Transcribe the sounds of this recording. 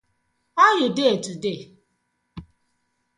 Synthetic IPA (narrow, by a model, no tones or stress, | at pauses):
ɔjʊdeetude